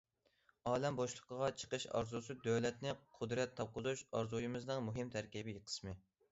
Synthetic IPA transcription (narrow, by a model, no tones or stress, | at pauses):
ɑːlɛmboʃlˠə̥qʰəʁɑt͡ʃʰə̥qəʃɑ̰ɾzusɨd̪øwlɛt̪nɪqʰʊd̪ɾɛt̪ʰːɑp̚qʰʊzuʃɑɾzujimɨznɨŋmuɦɪmt̪ʰæɾkʲibɪjiqʰə̥smɨ